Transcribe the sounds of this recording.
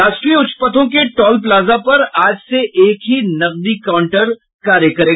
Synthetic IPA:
aːʃʈɾiʊt͡ʃpət̪ʰõkeʈɔːlplaːzapɐɾaːd͡ʒseʔeːkɦinɐq̚d̪ikaʊ̃ɳʈəɾ | kaːɾjəkɐɾeː

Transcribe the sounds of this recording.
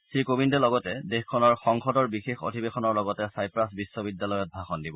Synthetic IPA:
sɹikobindɛlɔɡɔtɛdexkʰːɔnɔɹxɔŋxɔdɔɹbixexo̰dʱibexɔnɔɹlɔɡɔtɛsajpɹasbisːɔbidjalɔjɔt̚bʱaxɔndibɔ

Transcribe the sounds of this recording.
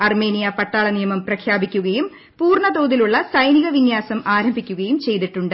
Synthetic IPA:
ɐrme̞ːnijɐpɐʈːaːɭɐnijɐmɐmprɐkʰjaːbikʲːuɣɐjum | puːrɳɐd̪oːðiluɭːɐsɐjniɣɐʋinjaːsɐmaːɾɐmbʱikʲːuɣɐjumt͡ɕe̞jt̪iʈːuɳɖɨ

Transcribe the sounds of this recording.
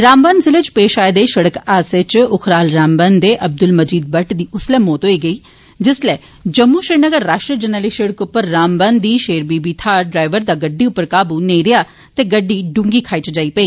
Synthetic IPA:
ɾaːmbənzɪlet͡ʃpeːʃaːeːd̪eːʃəɽəkaːset͡ʃʊkʰɾaːlɾaːmbənd̪eːʔəb̚d̪ʊlməd͡ʒiːd̪̚bəʈd̪iːʔʊslɛːmoːt̪ɦoːiːɡəiː | d͡ʒɪslɛː | d͡ʒəmːuːʃɾɪːnəɡəɾːaːʃʈɾiːd͡ʒənəliːʃeːɽəkʊpːəɾːaːmbənd̪iːʃeːɾbiːbiːt̪ʰaːɖɾaːɪʋəɾd̪aːɡəɖːiːʊpːəɾkaːbuːneːɾɪjaː | t̪eːɡəɖːiːɖʊ̃ŋɡiːkʰaːit͡ʃd͡ʒaːiːpəiː

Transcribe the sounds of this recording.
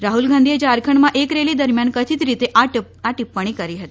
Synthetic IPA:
ɾaɦulɡʱãnd̪ʱied͡ʒaɾkʰəɳ̃mãʔekɾelid̪əɾmjankət͡ʃit̪ɾit̪eʔaʈ | aʈipːəɽ̃ikəɾiɦət̪ii

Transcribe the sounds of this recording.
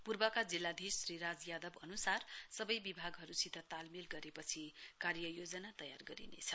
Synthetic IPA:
purbʌkad͡zilːad̪ʱisriɾad͡zjad̪ʌbʌnusarsʌbʌjbibʱaɡɦʌɾusit̪ʌt̪almilɡʌɾepʌt͡sʰikarjʌjod͡zʌnat̪ʌja̰rɡʌɾḭnḛt͡sʰʌ

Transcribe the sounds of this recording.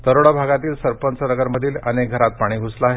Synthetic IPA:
d̪əɾoɽabʱaɡat̪iːlsəɾpənt͡sənəɡəɾməd̪ʱiːlənek̚ɡʱəɾat̪̚paɽ̃iːɡʱuslaːɦe

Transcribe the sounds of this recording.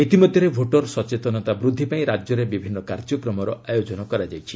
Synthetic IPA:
et̪imod̪ʱjɔɾebʱoʈɔɾsɔt͡ʃet̪ɔnɔt̪abɾud̪ʱːipaĩɾad͡ʒjɔɾebibʱinːɔkaɾd͡ʒɔkɾɔmɔɾɔajod͡ʒɔnɔkɔɾad͡ʒajt͡ʃʰi

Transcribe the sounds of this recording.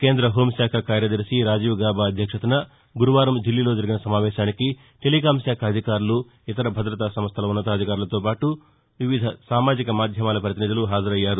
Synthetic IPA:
keːnd̪ɾɐɦo̞ːmsaːkʰɐkaːɾjɐd̪ɐɾsiɾaːd͡ʒiːʋɡaːbaːɐd̪ʱjɐkʂɐt̪unɐ | ɡuɾuʋaːɾɐmd̪ilːilo̞ːd͡ʒɐɾiɡinɐsɐmaːʋɛːʃaːniki | ʈelikaːmsjaːkʰɐːd̪ʱikaːɾulu | it̪ɐɾɐbʱɐd̪ɾɐt̪aːsɐmst̪ʰɐlɐunːɐt̪ɐːd̪ʱikaːɾulɐt̪o̞ːpaːʈu | ʋiʋid̪ʱɐsaːmaːd͡ʒikɐmaːd̪ʱjɐmaːlɐpɾɐt̪inid̪uluɦaːd͡ʒɐɾɐjːaːɾu

